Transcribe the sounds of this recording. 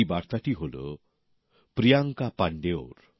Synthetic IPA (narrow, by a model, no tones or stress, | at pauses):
ibaɾt̪aʈiɦolo̰ | pɾijaŋkapaɳɖeoɾ